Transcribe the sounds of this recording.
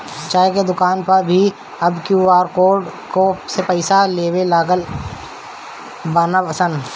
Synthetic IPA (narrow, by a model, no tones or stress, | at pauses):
t͡ʃaːeked̪ʊkaːnpɐɾbʱi | ɐbkjuaːɾkoːɖkosepɛɪsaleːwelaːɡəl | baːnapəsən